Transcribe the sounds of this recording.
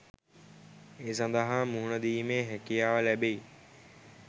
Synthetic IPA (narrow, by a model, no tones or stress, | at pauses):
eːsə̃nd̪əɦãmuːɳəd̪iːmẽɦekijaːʋəlɛɓei